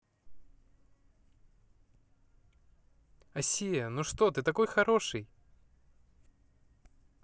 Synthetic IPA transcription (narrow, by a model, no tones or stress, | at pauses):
ɐsʲijənuʂt̪o̞t̪ɨt̪ɐko̞jxɐɾo̞ʂɨj